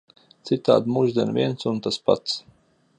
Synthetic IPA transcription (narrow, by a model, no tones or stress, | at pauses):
t̪sit̪a̰ːd̪muʒd̪iɛnvʲiɛnsunt̪aspa̰t̪s